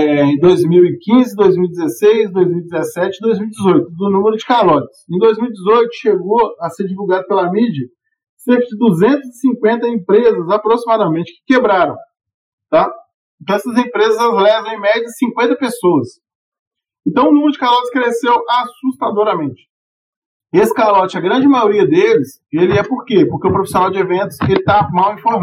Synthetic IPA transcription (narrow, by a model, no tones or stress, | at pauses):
ɛẽd̪ojzmiwɪkĩzɪd̪ojzmiwid͡ʒ̪ɪzesejzd̪ojzmiwid͡ʒ̪ɪzesɛt͡ʃɪd̪ojzmiwid͡ʒɪzojt̪ʊd̪ʊnũmeɾʊd͡ʒɪkalɔt͡ʃ̪ɪ̥sẽd̪ojzmiwid͡ʒɪzojt̪ʊ̥ʃeɡoɐseɾd͡ʒivuɡad̪ɐpelɐamid͡ʒɐ | seɾkɐd͡ʒɪd̪uzẽnt̪ɐzɪsĩkwẽnt̪ɐẽpɾezɐzapɾosimad̪amẽnt͡ʃɪ̥kɪ̥kebɾaɾɐ̃w̃ | t̪a | ẽt̪ɐ̃ɛsɐzẽpɾezɐzɛlɐzlɛvɐ̃ẽmɛd͡ʒɐd͡ʒɪsĩkwẽnt̪ɐpesoɐs | ẽnt̪ɐ̃w̃ʊnumeɾʊd͡ʒɪkalɔt̪ʊskɾesewasust̪ad̪oɾɐmẽnt͡ʃɪ̥ | esɪ̥kalɔt͡ʃɪɐɡɾɐ̃d͡ʒɪmajoɾiɐd̪elɪs | elɪɛpoɾkepoɾkeʊpɾofi̥sionawd͡ʒɪevẽt̪ʊ̥selɪt̪amawĩfoɾm